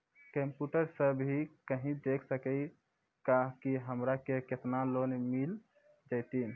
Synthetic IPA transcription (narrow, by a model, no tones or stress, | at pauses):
kəmpjuʈəɾsəbɦikəɦĩd̪ekʰsəkəj | kaɦkiɦəmɾakeket̪nalonmil | d͡ʒəjt̪in